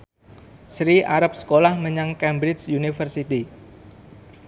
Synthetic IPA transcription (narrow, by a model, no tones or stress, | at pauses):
sɾiʔaɾap̚sə̥kolahməɲaŋkɛmbɾɪt͡ʃjunifərsit̪i